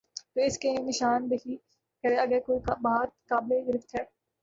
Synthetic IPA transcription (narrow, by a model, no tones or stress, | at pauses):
t̪oːɪskenɪʃaːnbɪɦiː | kɐɾeɐɡɛːkoːikːbaːt̪̚kaːbleɡɪɾɪft̪ʰɦɛː